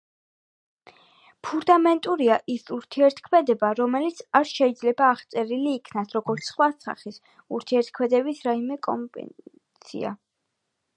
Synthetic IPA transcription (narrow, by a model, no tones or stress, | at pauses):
pʰuɾd̪amɛnt̪ʼuɾiaʔisuɾt̪ʰiɛɾt̪ʰkʰmɛd̪ɛbaɾɔmɛlit̪sʰaɾʃɛid̪zlɛbaːχt̪sʼɛɾiliːkʰnasɾɔɡɔɾt̪sʰsχwasa̰χis | uɾt̪ʰiɛɾt̪̚kʰmɛd̪ɛbisɾaimɛkʼɔ̰mbɛ̰ | sʰḭa̰